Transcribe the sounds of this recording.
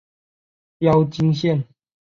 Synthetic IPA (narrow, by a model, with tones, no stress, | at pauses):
jɑ˥˦ʊt͡ɕi˥˦ŋɕjɛ˥˨n